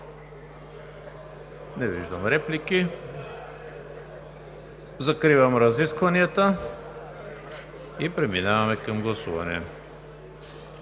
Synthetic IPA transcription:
nɛvḭʒd̪ɐmɾɛpliki | zakɾivɐmɾaziskvaniat̪a | ipɾɛminavamɛkamɡlˠasuva̰nɛ̰

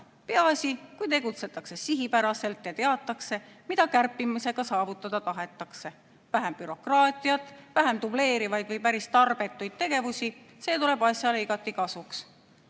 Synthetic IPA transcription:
peɑsʲikujt̪e̞ɡut̪se̞t̪ːˑɑkse̞siɦipæɾɑse̞lt̪jɑt̪eɑt̪ːˑɑkse̞mid̪ɑkærpːimise̞ɡ̥ɑsɑːvut̪ːˑɑd̪̥ɑt̪ɑɦe̞t̪ːˑɑkse̞ | væɦemb̥yɾo̞krɑːt̪ʲːˑijɑt̪ːˑvæɦemt̪uble̞ːɾivɑjd̪̥vɤjpæɾist̪ɑrb̥e̞t̪ːˑujd̪̥̚t̪e̞ɡ̥e̞vusʲi | se̞ːt̪ule̞b̥ɑsʲjɑleiɡɑt̪ːˑikɑsuks

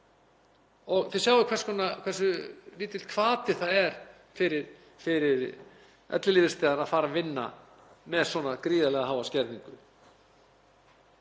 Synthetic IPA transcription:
ɔɣθɪsaːwvʏkʰvɛrskʰɔnakʰvɛrsʏliːt̪ɪlt̪̚kʰvaːt̪ɪθaðɛɾ̥ | fɪɾɪɾ̥ | fɪɾɪɾ | ɛ̰t̪lɪliːvɪ̥st̪ɛːðanaðfaːɾavɪnːa̰ | mɛðswɔnakɾiːðalɛɣaɦaːwvascɛɾt̪niŋkʏ

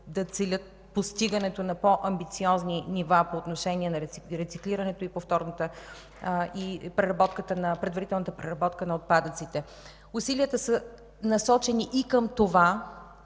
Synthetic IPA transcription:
d̪ɐt̪sɛlʲət̪̚ | post̪iɡənɛt̪onɐpoʔɐmbit̪siɔzninivapoːt̪noʃɛnʲiɛnɐɾɛiɾɛt̪sikliɾɐnɛt̪oipoft̪ɔɾnot̪ə | ipɾɛɾɐbɔt̪kət̪ənɐpɾɛd̪vɐɾit̪ɛlˠnət̪əpɾɛɾɐbɔt̪kənɐot̪̚pad̪ət̪sit̪ɛ | usiliət̪əsə | nɐsɔt͡ʃɛniʔikəmt̪ova

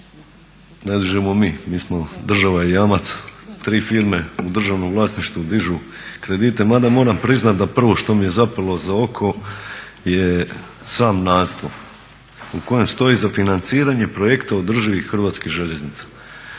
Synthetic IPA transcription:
ned̪iʒemomiːmiːsmo̞d̪r̩ʒaʋaijamat̪st̪ɾiːfiːɾme̞ud̪r̩ʒaʋno̞mʋlˠaːsniʃt̪ud̪iʒu | kɾe̞d̪iːt̪e̞mad̪amo̞ːɾampɾiznat̪̚d̪apr̩ʋo̞ʃt̪o̞mije̞zapalˠozao̞kʰo̞ | je | saːmnaːst̪o | uko̞je̞mst̪o̞izafinant̪siːɾaɲe̞pɾo̞je̞kt̪aod̪r̩ʒiʋixxr̩ʋaːt̪skiɣʒe̞ʎe̞znit̪sḁ

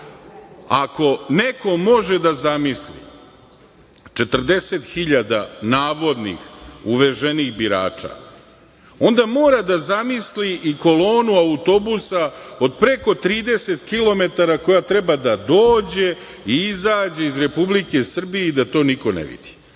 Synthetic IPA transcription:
ako̞neko̞mo̞ʒed̪azamislḭ | t͡ʂe̞t̪r̩d̪e̞se̞t̪xiʎad̪a̰naːʋo̞d̪nḭxuʋe̞ʒeniɣbiɾa̰ːt͡ʂa̰ | o̞nd̪amo̞ːɾad̪azamisliʔiko̞lo̞ːnuaut̪o̞busao̞d̪pɾe̞ko̞t̪ɾiːd̪e̞se̞t̪kilo̞me̞t̪aɾako̞jat̪ɾebad̪ad̪o̞ːd͡ʑe̞ | iizaːd͡ʑe̞izɾe̞publike̞sr̩bijeid̪at̪o̞ːniko̞nḛʋḭd̪̥i̥

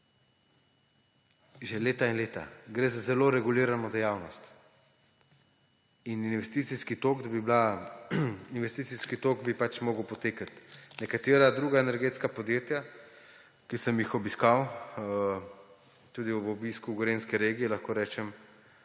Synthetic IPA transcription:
ʒɛleːt̪ainleːt̪a̰ɡɾeːzazɛloːɾɛɡuliːɾanɔd̪ɛjaːwnɔst̪ | ininʋɛst̪iːt̪siskit̪okd̪bibla | inʋɛst̪iːt̪siskit̪oɡbipat͡ʃmɔːɡəwpɔt̪eːkat̪nɛkat̪eːɾad̪ɾuːɡaɛnɛɾɡet̪skapɔd̪jeːt̪ja | kisəmjixɔbiskaw | t̪uːd̪iɔbɔbiskuɡoɾenskɛɾeːɡijɛlaxkoːɾɛːt͡ʃɛm

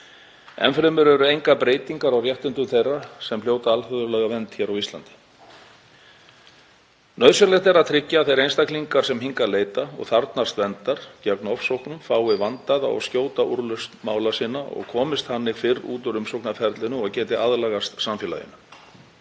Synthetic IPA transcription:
ɛ̰nfɾɛmʏɾɛɾʏejŋkapɾeːjt̪iŋkaɾawrjɛht̪ʏnt̪ʏmθejrːasɛmfljoːwt̪aalfœðʏlɛɣavɛnt̪çɛːɾawist̪la̰nt̪ɪ̥ | nœɥsœlɛht̪ɛɾaðt̪ʰɾɪcːaːθejɾejnst̪akliŋkaɾ̥sɛmɦiŋkaɾleːjt̪aɔ̰ɣθaɾt̪nast̪vɛnt̪aɾ̥cœknɔfsowhknʏmfaːwɪvant̪aða̰ɔ̰ɣscoːwt̪aʔuɾlʏst̪maːwlasiːnaɔ̰ɣkʰɔːmɪst̪hanːɪfɪrṵːt̪ʏɾʏmsowknafɛɾt̪lɪnʏɔɣcɛːt̪ɪaðlaɣast̪samfjɛla̰jɪ̰nʏ

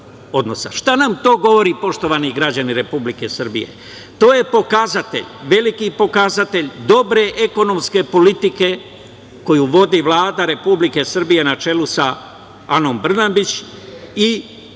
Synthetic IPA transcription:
o̞d̪no̞sa̰ʃt̪anamt̪o̞ːɡo̞ʋo̞ɾipo̞ʃt̪o̞ʋaniɡɾad͡ʑaniɾe̞publike̞sr̩bḭje̞̰ | t̪o̞ːje̞po̞kazat̪e̞̰ʎʋe̞likipo̞kazat̪e̞ʎd̪o̞bɾe̞ʔeko̞no̞mske̞po̞lit̪ike̞ | ko̞juʋo̞d̪iʋlˠaːd̪aɾe̞publike̞srbije̞nat͡ʃe̞lusa | ano̞mbr̩nabit͡ɕ | i

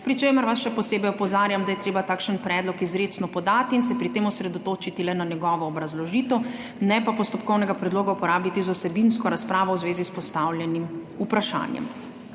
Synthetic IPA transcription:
pɾit͡ʃeːməɾʋasʃɛpɔseːbɛjɔpɔzaːɾjamd̪ajɛt̪ɾeːbat̪aːkʃənpɾɛːd̪lɔkizɾeːt͡ʃ̪nɔpɔd̪aːt̪iːnsɛpɾit̪eːmɔsɾɛd̪ɔt̪oːt͡ʃit̪ilɛnanjɛɡɔːʋɔːbɾazlɔʒiːt̪ɛw | nɛpapɔst̪ɔp̚kɔwnɛɡapɾɛd̪loːɡaupɔɾaːbit̪izawsɛbinskɔɾaspɾaːʋɔwzʋeːzispɔst̪aːwljɛnim | upɾaʃa̰ːnjɛ̰m

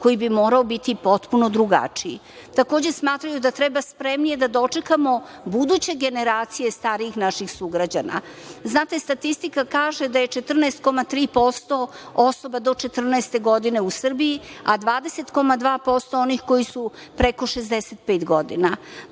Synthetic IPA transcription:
ko̞jibimo̞ːɾaobit̪ipo̞t̪puno̞d̪ɾuɡa̰t͡ʂiḭ | t̪akoːd͡ʑe̞smaːt̪ɾajud̪at̪ɾebaspɾe̞mnije̞d̪ad̪o̞t͡ʂe̞kamo̞ | bud̪ut͡ɕe̞ɡe̞ne̞ɾaːt̪sije̞st̪aːɾiixnaʃixsuɡɾad͡ʑana̰ | znaːt̪e̞st̪at̪ist̪ikakaːʒed̪aje̞t͡ʃe̞t̪r̩nɛest̪̚ko̞mat̪ɾiːpo̞st̪o̞oso̞bad̪o̞t͡ʃe̞t̪r̩nɛest̪e̞ɡo̞d̪ine̞usr̩bijiad̪ʋaːd̪ese̞t̪ko̞mad̪ʋaːpo̞st̪o̞onixko̞jisupɾeko̞ʃezd̪eset̪̚peːt̪ɡo̞d̪ḭna

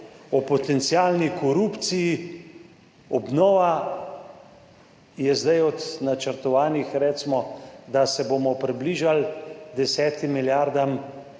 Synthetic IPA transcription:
ɔpɔt̪ɛnt̪siaːlnikɔɾuːpt̪siji | ɔbnɔːʋa | jɛzd̪ajɔd̪nat͡ʃəɾt̪ɔʋaːnixɾɛt͡ʃmɔd̪asɛboːmɔpɾibliːʒald̪ɛsɛːt̪imːiljaːɾd̪am

